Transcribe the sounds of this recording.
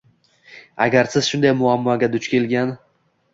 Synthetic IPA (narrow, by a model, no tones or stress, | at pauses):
a̰ɡʲaɾsɪz̥ʃʊnd̪ajmʊamːɒɡʲad̪ʊt͡ʃkʲʰe̞lɡʲan